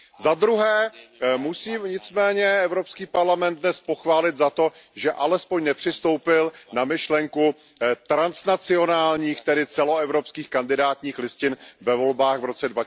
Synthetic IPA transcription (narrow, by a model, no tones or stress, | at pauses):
zad̪ɾuɦɛːmusiːɲɪt͡smɛːɲɛɛvɾopskiːpaɾlamɛnd̪̚nɛspo̞xvaːlɪt̪zat̪o̞ | ʒɛʔalɛspoɲnɛpr̥ɪst̪o̞wpɪlnamɪʃlɛŋku | t̪ɾansnat͡sɪo̞naːlɲiːxt̪ɛdɪt͡sɛlo̞ɛvɾopskiːxkandɪdaːt̪ɲiːxlɪscɪnvɛvo̞lbaːɣvɾo̞t͡sɛdva